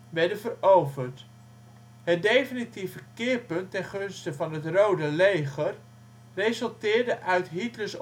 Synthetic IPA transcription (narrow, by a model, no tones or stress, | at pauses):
ʋɛɹdənvərowvəɹt | ɦət̚dejfinitivəkɪːɹpɵntːɛnχɵnstəvɑnɦətrowdəlejχər | rezɵlˠtɪːɹdəʔœɥtɦitləs